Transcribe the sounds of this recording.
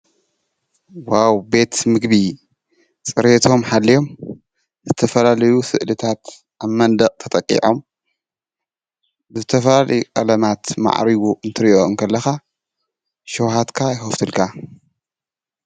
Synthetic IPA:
wawbe̞t̪mɨɡbi | t͡sʼɨɾet̪ʰo̞mħalːijo̞m | zɨt̪ʰɐfɐlalɐjusɨ̰ʔlɨt̪ʰat̪ | ʔaβmɐnd̪ɐqʼt̪ʰɐt̪ʼɐkʼːḭʕo̞m | zzɨt̪ʰɐfɐlalɐjukʼɐ̰lɐmat̪ma̰ʕɾiwuʔɨnt̪ʰɨɾiʔoɨmkʰɐlːɐxa | ʃɐwhat̪kʰajɪxɐft̪ʰɨlkʰa

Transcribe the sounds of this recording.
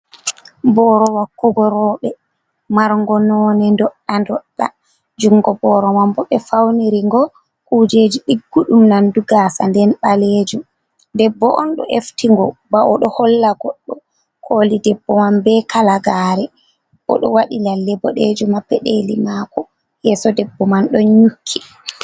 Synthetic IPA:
bɔːɾɔwakːuɡɔɾɔɓɛ | maɾŋɡɔnɔːnɛndɔɗːandɔɗːa̰ | d͡ʒuŋːɡɔbɔɾɔmambɔɓɛfawniɾiŋɡɔ | kud͡ʒeːd͡ʒiɗiɡːuɗumnanduɡaːsa̰ndɛnɓaleːd͡ʒu | dɛbːɔʔɔnɗɔ̰ʔeftiŋɡɔbaʔɔɗɔhɔlːaɡɔɗːɔ | kʰoːlidɛbːɔmambɛkalaɡaːɾɛ | ʔɔ̰ɗɔ̰waɗilalːɛbɔɗed͡ʒumabɛɗelimaːkɔ | jɛsɔdɛbːɔmanɗɔɲukʰːi

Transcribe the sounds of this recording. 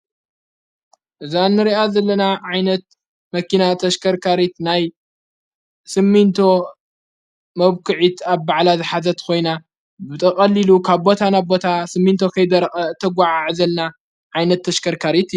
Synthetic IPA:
ʔɨzanːɨɾiʔazɐlːɐnaʕajnɐt̪̚ | mɐkinat̪ʰɐʃkʰɐɾkʰaɾit̪naj | sɨmːint̪ʰo̞ | mɐβkʰɨʕit̪aβbaʕlazɨħazɐt̪kʰo̞jna | bɨt̪ʼɐkʼɐlːilukʰaβbo̞t̪ʰanaβbo̞t̪ʰasɨmːint̪ʰo̞kʰɐjd̪ɐɾʼɐt̪ʰːɐɡʷaʕaʕzɐlna | ʕajnɐt̪ʰːɐʃkʰɐɾkʰaɾit̪

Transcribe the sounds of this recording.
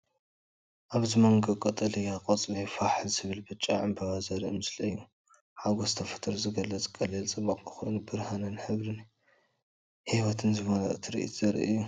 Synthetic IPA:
ʔaβzɨmɐŋɡɐkʼɐt̪ʼɐlɨjaqʼɐt͡sʼlijfaħzɨβɨlbɨt͡ʃʼːaʕɨmbʰɐβazɐɾiɨmɨslɐjːu | ħaɡozɨt̪ʰɐfɐ̥t̪ʰɨɾzɨɡɐlːɐt͡sʼkʼɐlɐlt͡sʼɨmːaqʼɨxojnubɨɾhanɐnħɨβɾɨn | hiβɐt̪ʰɨnzɨβonɐʔɨt̪ʰiɾḭʔt̪ʰoɾḭʔju

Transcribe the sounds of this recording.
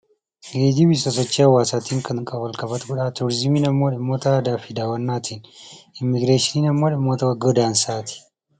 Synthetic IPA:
ɡeːd͡ʒɪbɪsɐsɔt͡ʃːiːhɐwːaːsaːt̪iːŋkʰɐnkʼɐwɐlkʼɐbɐt̪kʊᶑaːt̪uːɾɪzɪmiːnɐmːoːᶑɪmːoːt̪ɐaːd̪aːfɪd̪aːwɐnːaːt̪ʰiːnɪmːɪɡɾeːʃɪniːnɐmːoːᶑɪmːoːt̪ɐwɐɡod̪aːnsaːt̪ɪ̥

